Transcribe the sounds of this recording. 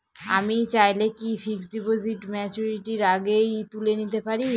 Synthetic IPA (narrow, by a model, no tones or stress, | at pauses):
a̰mit͡ɕajlekifiksɖipoziʈmɛt͡ɕuɾiʈiɾaɡejt̪ulenit̪epaɾi